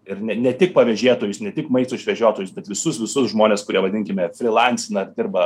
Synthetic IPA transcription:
ɪɾnʲɛnʲɛt̪ʲɪk̚pɐʋʲɛʒʲeːt̪oːjʊsnʲɛt̪ʲɪkmɐɪst̪oːɪʃʲʋʲɛʒʲoːt̪oːjʊsbʲɛt̪ʋʲɪsʊsʋʲɪsʊsʒmoːnʲeːskʊɾʲiɛʋɐd̪ʲɪŋʲkʲɪmʲɛfʲɾʲɪlˠɐnʲsʲɪnɐd̪ʲɪrbɐ

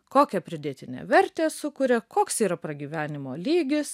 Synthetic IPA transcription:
koːkʲɛpʲɾʲɪd̪ʲeːt̪ʲɪnʲɛ̰ʋʲɛɾʲt̪ʲeːsʊkʊɾʲɛkoːksiːɾɐpɾɐɡʲiːʋʲæːnʲɪmoːlʲiːɡʲɪs

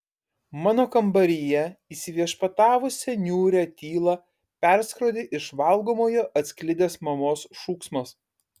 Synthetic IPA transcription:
mɑːnoːkɐmbɐɾʲɪjɛiːsʲɪʋʲiɛʃpɐt̪ɑːʋʊsʲɛnʲuːɾʲɛt̪ʲiːlˠɐ | pʲɛɾskɾoːd̪ʲɪʔɪʃʋɐlˠɡoːmoːjoːʔɐt̪ʲsʲkʲlʲɪd̪ʲeːsmɐmoːsʃuːksmɐs

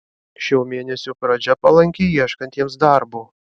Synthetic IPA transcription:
ʃʲɛʊmʲeːnʲɛsʲupɾɐd͡ʒʲɛpɐlˠɐŋʲkʲejiɛʃkɐnʲt̪ʲiɛms̬d̪ɑˑɾbuː

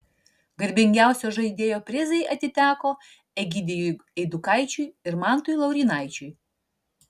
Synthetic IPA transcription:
ɡɐɾʲbʲɪŋʲɡʲæʊsʲoʒɐɪd̪ʲeːjoːpʲɾʲɪzɐɪʔɐt̪ʲɪt̪ʲæːkoː | ɛɡʲid̪ʲejujɛɪd̪ʊkɑɪt͡ʃʲʊjɪɾmɑˑnt̪ʊjlˠɐʊɾʲiːnɑɪt͡ʃʲʊj

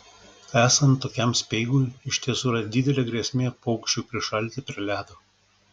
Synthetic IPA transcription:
æːsɐnt̪ːoːkʲɛmsʲpʲɛɪɡuːjɪʃʲt̪ʲiɛsuːɾɐd̪ʲɪd̪ʲɛlʲeːɡɾʲeːsʲmʲeːpɔʊkʃʲt͡ʃʲuːpʲɾʲɪʃɐlʲˑt̪ʲɪpʲɾʲɪlʲæːd̪oː

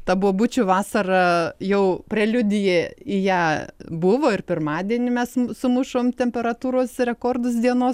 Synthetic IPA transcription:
t̪ɐbʊʋoːbʊt͡ʃʲʊʋɑːsɐrɐjɛʊpʲrʲɛlʲʊd̪ʲɪjɛːɪjæːbʊʋoːɪrpʲɪrmɑːd̪ʲiɛnʲɪmʲɛssʊmʊʃoːmt̪ʲɛmʲpʲɛɾɐt̪uːɾoːsɾʲɛkoːrd̪ʊsd̪ʲiɛnoːs

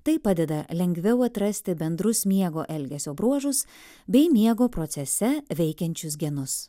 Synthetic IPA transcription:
t̪ɐɪpɑːd̪ʲɛd̪ɐlʲɛŋʲɡʲʋʲɛʊɐt̪ɾɐsʲt̪ʲɪbʲɛnd̪ɾʊsmʲiɛɡoːʔɛlʲɡʲɛsʲoːbɾuɔʒʊs | bʲɛɪmʲiɛɡoːpɾɔt̪sʲɛsʲɛʋʲɛɪkʲɛnʲt͡ʃʲʊsɡʲɛnʊs

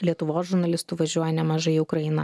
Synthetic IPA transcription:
lʲiɛt̪ʊʋoːsʒʊɾnɐlʲɪst̪ʊʋɐʒʲuɔjɛnʲɛmɐʒɐɪiʊkɾɐɪnɐ

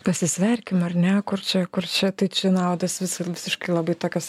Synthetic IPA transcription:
pɐsʲɪsʲʋʲɛrʲkʲɪmɐrnʲɛkʊrt͡ʃʲɛkʊrt͡ʃʲɛt̪ɐɪt͡ʃʲɛnɐʊd̪ɐsʋʲɪsɐʋʲɪsʲɪʃkɐɪlˠɐbɐɪt̪oːkʲɛs

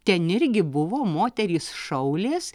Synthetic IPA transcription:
t̪ʲɛnɪɾʲɡʲɪbʊʋoːmoːt̪ʲɛɾʲiːsʃɐʊlʲeːs

